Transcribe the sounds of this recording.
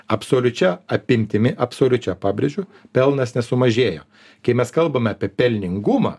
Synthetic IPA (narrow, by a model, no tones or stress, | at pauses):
ɐpsoːlʲʊt͡ʃʲɛɐpʲɪmʲt̪ʲɪmʲɪʔɐpsoːlʲʊt͡ʃʲɛpɑːbʲɾʲɪd͡ʒʲʊpʲɛlˠnɐsnʲɛsʊmɐʒʲeːjo̰ː | kɐɪmʲɛskɐlˠbɐmʲɛɑːpʲiɛpʲɛlʲnʲɪŋɡʊmɐ̰ː